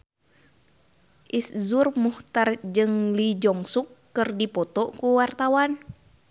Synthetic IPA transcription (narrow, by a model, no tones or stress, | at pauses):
ʔiszurmuht̪ard͡ʒɨŋlid͡ʒɔŋsukːɨrdipɔt̪ɔkuwart̪awan